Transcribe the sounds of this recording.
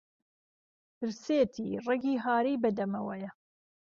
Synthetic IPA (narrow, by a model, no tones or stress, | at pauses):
pɨɾseːt̪ʰḭːrɛɡiːɦaːɾiːbɐd̪ɐmɐwɛjɐ